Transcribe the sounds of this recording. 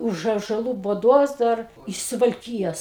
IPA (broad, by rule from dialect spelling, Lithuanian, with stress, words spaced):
ˈʊʃ ɑːʒɐˈlˠuː bʊˈdoːs ˈdɐr ɪʃ sʊʋɐlʲˈkʲiːjoːs